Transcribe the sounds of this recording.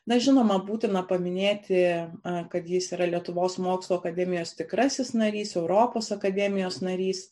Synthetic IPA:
nɐʒʲɪnoːmɐbuːt̪ʲɪnɐpɐmʲɪnʲeːt̪ʲɪkɐt̪jɪsiːɾɐlʲiɛt̪ʊʋoːsmoːkslˠoːɐkɐd̪ʲɛːmʲɪjoːst̪ʲɪkɾɐsʲɪsnɐɾʲiːsɛʊɾoːpoːsɐkɐd̪ʲɛmʲɪjoːsnɐɾʲiːs

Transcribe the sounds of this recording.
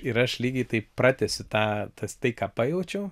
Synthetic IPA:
ɪɾɐʃlʲiːɡʲɪt̪ɐɪprɑːt̪ʲɛsʲʊt̪ɑːt̪ɐst̪ɐɪkɑːpɑːjɛʊt͡ʃʲɛʊ

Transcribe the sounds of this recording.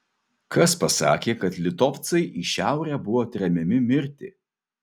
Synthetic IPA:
kɐspɐsɑ̰ːkʲeːkɐt̪lʲɪt̪ɔft̪sɐɪʔiːʃʲæˑʊɾʲæːbʊʋoːt̪ʲɾʲɛmʲɛmʲɪmʲɪɾʲt̪ʲɪ

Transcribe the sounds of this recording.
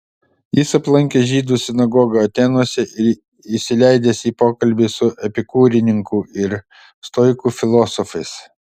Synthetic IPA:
jɪsɐplˠɐŋʲkʲeʒʲiːd̪uːsʲɪnɐɡɔːɡɐɐt̪ʲeːnuɔsʲɛʔɪɾ | ɪʃʲsʲɪlʲɛɪd̪ʲɛːsiːpoːkɐlʲbʲiːsʊʔɛpʲɪkuːɾʲɪnʲɪŋkuɪɾ | st̪ɔɪkuːfʲɪlˠɔːsɔfɐɪs

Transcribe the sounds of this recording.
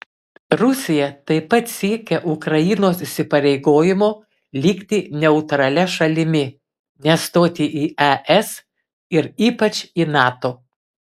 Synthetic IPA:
ɾʊsʲɪjɛt̪ɐɪpɐt̪sʲiɛkʲɛʔʊkɾɐjɪnoːsɪʃʲsʲɪpɐɾʲɛɪɡoːjɪmoː | lʲiːkʲt̪ʲɪnʲɛʊt̪ɾɐlʲɛʃɐlʲɪmʲɪ | nʲɛst̪oːt̪ʲiːʔiɛʔɛs | ɪɾiːpɐt͡ʃinɑːt̪oː

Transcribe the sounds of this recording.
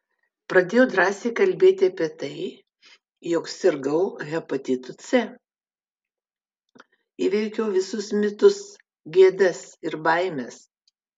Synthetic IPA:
pɾɐd̪ʲeːjɛʊd̪ɾɑːsʲeɪkɐlʲbʲeːt̪ʲɪɐpʲiɛt̪ɐɪ | jɔːksʲɪɾɡɐʊɣʲɛpɐt̪ʲɪt̪ʊsʲɛ | iʋʲɛɪkʲɛʊʋʲɪsʊsmʲɪt̪ʊs | ɡʲiɛd̪ɐsɪɾbɐɪmʲɛs

